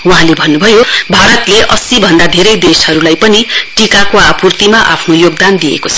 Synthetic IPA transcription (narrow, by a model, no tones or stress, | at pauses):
wuɦãlebʱʌnːubʱʌjobʱaɾʌt̪leʔʌsibʱʌnd̪ad̪ʱeɾʌjd̪eshʌɾulajpʌniʈikakoapurt̪imaʔa̰pʰnojoɡ̚d̪and̪ijḛkot͡sʰʌ̥